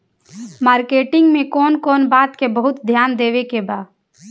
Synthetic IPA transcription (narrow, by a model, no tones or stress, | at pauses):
maːɾkeːʈɪ̃ŋɡmẽkɔːnkɔːnbaːt̪kebəɦʊt̪d̪ʱjaːnd̪eːʋekebaːd̪